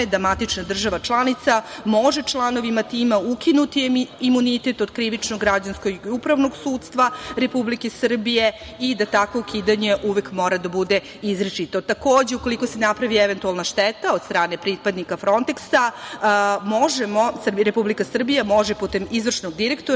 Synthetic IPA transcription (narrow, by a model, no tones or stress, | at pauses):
d̪ɾamat̪it͡ʃnad̪r̩ʒaʋat͡ʃlˠanit̪samoʒe̞t͡ʃlˠano̞ʋimat̪iːmaukinut̪iimunit̪et̪od̪kɾiʋit͡ʃnoɡːɾad͡ʑanskoɡiupɾaʋno̞ɡsuːd̪st̪ʋaɾe̞publikesɨr̩bije̞ | id̪at̪akʋo̞ukʰiːd̪aɲe̞ʔuʋekmo̞ːɾad̪abud̪e̞ | izɾet͡ʃit̪o̞t̪akoːd͡ʑeuko̞liko̞senapɾaʋieʋent̪ualˠnaʃt̪et̪aod̪st̪ɾaːne̞pɾipad̪nikafɾo̞nt̪eksa | moʒemosɾepublikasr̩bijamo̞ʒeput̪e̞mizʋr̩ʂnoɡd̪iɾe̞kt̪o